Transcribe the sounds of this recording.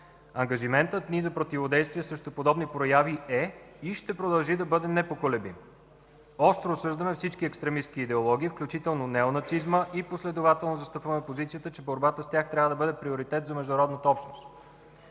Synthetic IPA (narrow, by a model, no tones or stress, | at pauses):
ɐŋɡɐʒimɛnt̪ət̪nizɐpɾot̪ivod̪ɛjst̪vʲiɛsɾɛʃt̪opod̪ɔbnipɾojaviɛ | iʃt̪ɛpɾod̪ɐlˠʒid̪ɐbɤd̪ɛnɛpokolɛbḭm | ɔst̪ɾoːsɤʒd̪əmɛfsit͡ʃkiɛkst̪ɾɛmist̪kiːd̪ɛolˠɔɡ̟ʲiːfklʲut͡ʃit̪ɛlˠnonɛonɐsizməʔiposlɛd̪ovat̪ɛlˠnozɐst̪ɤpvɐəmɛpozit̪siət̪ət͡ʃɛboɾbat̪əst̪jaxt̪ɾʲavəd̪ɐbɤd̪ɛpɾioɾit̪ɛt̪zɐmɛʒd̪ʊnɾɔd̪nət̪əɔpʃnost̪